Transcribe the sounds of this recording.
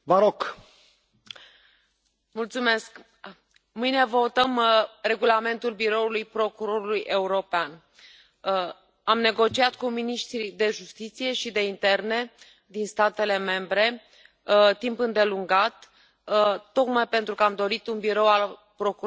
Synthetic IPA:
vəɾok | mult̪sume̞sk | mɨjne̞vot̪əmre̞ɡulame̞nt̪ulbiɾo̞ulujpɾo̞kuɾo̞ɾulujʔe̞uɾo̞pean | amne̞ɡo̞t͡ʃiat̪kuminiʃt̪ɾid̪e̞ʒust̪it̪sije̞ʃid̪e̞int̪e̞rne̞ | d̪inst̪at̪e̞le̞me̞mbɾe̞ | t̪impɨnd̪e̞luŋɡat̪ | o̞kmajpe̞nt̪ɾukəamd̪o̞ɾit̪unbiɾo̞wal | pɾo̞ku

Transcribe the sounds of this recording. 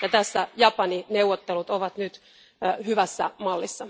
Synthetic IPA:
jɑt̪æsːæjɑpɑnineuwʋot̪ːelut̪oʋɑt̪nyt̪ | hyʋæsːæ̰mɑlːisːɑ

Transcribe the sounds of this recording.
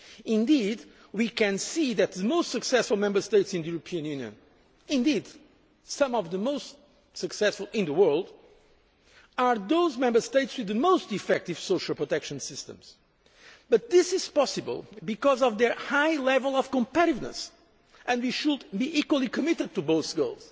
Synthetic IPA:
ɪ̃nd̪id̪ | wikɨ̃nsiðɨt̪̚ðɨmoʊst̪sɨksɛsfʊlˠmɛ̃mbə˞st̪eɪtsɨ̃nðɨjuɾɨpʰiɨ̃njʉnjɨ̰̃n | ɪ̃nd̪id̪ | sʌ̃mɔvðəmoʊst | sɨksɛsfʊlˠɪ̃nðəwɜ˞lˠd̪ | aɹðoʊzmɛ̃mbə˞st̪eɪtswɨðɨmoʊstifɛk̚tiv̥soʃəlˠpɹotɛkʃɨ̃nsɪstə̰̃mz̥ | b̥ʌt̪̚ðɪsɪz̥pɑsɨbə̰lˠbikɔzɔvðə˞haɪlɛvəlˠɔv̥kə̃mpæɾivnə̰s | ɨ̃ndwiʃud̪biʔikwəlˠikɨmɪɾɨd̪̚t̪uboʊθɡo̰ʊlˠz̥

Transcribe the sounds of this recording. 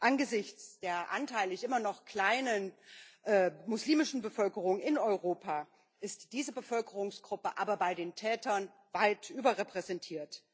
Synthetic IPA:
ʔanɡəzɪçt͡sd̥eːɐʔa̰ntʰaɪləçʔɪmɐnɔχkl̥aɪnənʔɛːmʊsliːmɪʃn̩bəfœlkəʁʊŋɪnɔʏʁoːpʰa | ʔɪstd̥iːzəbəfœlkəʁʊŋsɡ̥ʁʊpəʔaːbɐbaɪdeːntʰɛːtɐn | vaɪtʔyːbɐʁɛpʁ̥ɛzɛntʰiːɐt

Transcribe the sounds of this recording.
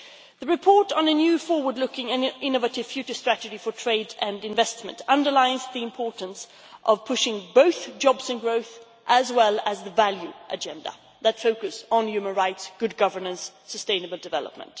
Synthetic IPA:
ðɨɹɨpʰɔɹɾn̩ɨnjʉfɔɹwə˞dˡlʊkɪ̃ŋɨ̃nʔɪ̃nəvɨɾɨv̥fjʉt͡ʃə˞stɹ̥æɾɨd͡ʒifə˞tʰɹ̥eɪdɨ̃ndɨ̃ɱvɛstmɨ̃ntʰʌ̃ndə˞laɪzðiɨ̃mpʰɔɹʔn̩s | ʔʌv̥pʰʊʃɪ̃ŋboʊθd͡ʒɑbzɨ̃nɡɹoʊθ | ʔəzwɛlˠəzðəvælˠjʉʔɨd͡ʒɛ̃ndə̰ | ðətfoʊkɨsn̩jʉmə̃nɹaɪtsɡ̥ʊd̚ɡʌvə˞nə̃nsːəstẽɪ̃nəbəl̩ˠdɨvɛ̰lˠə̰p̚mə̰̃nt

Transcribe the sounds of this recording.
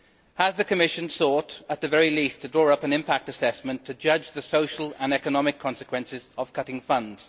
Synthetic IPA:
həzðɨkʰəmɪʃɨ̃nsɔˑɾət̪̚ðəvɛɹilistʰədɹɔːɹʌpə̃nɪ̃mpak̚təsɛsmə̃ntʰɨd͡ʒʌd͡ʒðəsoʊʃəlˠə̃nɛkənɒmɪkʰɒ̃nsɨ̥kʰwɛ̃nsɪzəv̥kʰʌɾɪ̃ŋfʌ̃nd̥

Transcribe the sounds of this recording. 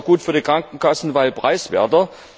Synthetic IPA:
ɡ̥uːtfyːɐdiːkʁ̥aŋkŋ̩kʰasn̩vaɪlpʁ̥aɪsv̥ɛ̰ɐtɐ

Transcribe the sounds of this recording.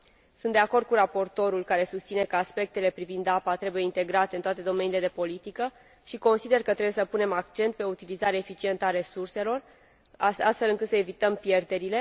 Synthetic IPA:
sunt̪d̪e̞ako̞rd̪̚kuɾapo̞rt̪o̞ɾulkaɾe̞sust̪sine̞kəaspe̞k̚t̪e̞le̞pɾivind̪apat̪ɾe̞buje̞int̪e̞ɡɾat̪e̞ɨnt̪oat̪e̞d̪o̞menile̞d̪epo̞lit̪ikə | ʃiko̞nsid̪e̞rkət̪ɾebuje̞səpune̞makt͡ʃe̞nt̪̚pe̞out̪ilizaɾeefit͡ʃie̞nt̪əaɾe̞surse̞lo̞r | aa̰st̪felɨŋkɨt̪səevit̪əmpje̞rd̪e̞ɾile̞

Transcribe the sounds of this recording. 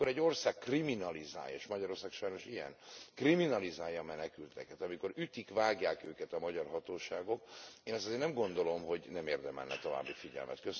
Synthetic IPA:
oɾɛɟːo̞rsaːkːriminɒliza̰ːjḛːʃmɒɟɒɾo̞rsaːkʃɒjno̞ʃijɛ̰nkriminɒlizaːjɒːmɛnɛkylt̪ɛkɛt̪ɒmiko̞ɾyt̪ikvaːɡjaːkøːkɛt̪ɒmɒɟɒrɦɒt̪oːʃaːɡo̞keːnɛst̪ɒzeːrnɛmɡo̞nd̪o̞lo̞mɦo̞ɟnɛmeːrd̪ɛmɛ̰lnɛ̰t̪o̞va̰ːbːifiɟɛ̰lmʔɛ̰t̪køs

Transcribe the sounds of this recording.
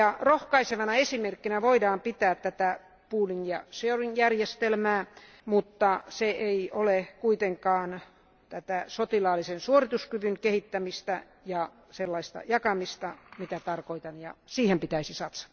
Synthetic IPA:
jɑrohkɑiseʋɑnɑesimerkːinæʋoidɑːmpit̪æːt̪t̪æt̪æ | puːlinjɑsøorinjærjest̪elmæː | mut̪ːɑseʔeiʔolekuit̪eŋkɑːn | t̪æt̪æsot̪ilɑːlːisensuorit̪uskyʋyŋkehit̪ːæmist̪æ | jɑ | selːɑist̪ɑ̰jɑkɑmist̪ɑmit̪æt̪ɑrkoit̪ɑnjɑ̰siːhempit̪æisisɑt̪sɑ̥t̪

